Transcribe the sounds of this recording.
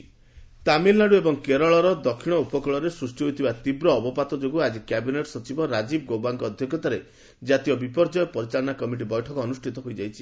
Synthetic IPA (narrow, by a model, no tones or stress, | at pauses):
t̪amilnaɽuebɔŋkeɾɔɭɔɾɔd̪ɔkʰːiɽ̃ɔupɔkɔɭɔɾesɾusʈiɦojt̪ʰibat̪ibɾɔːbɔpat̪ɔd͡ʒoɡuad͡ʒikjabineʈɔ̥sɔt͡ʃibɔɾad͡ʒib̚ɡowbaŋkɔːd̪ʱjɔkjɔt̪aɾe | d͡ʒat̪ijɔbipɔɾd͡ʒɔjɔpɔɾit͡ʃaɭɔnakɔmiʈ̬ibɔjʈʰɔkɔːnusʈʰit̪ɔɦojd͡ʒajt͡ʃʰi̥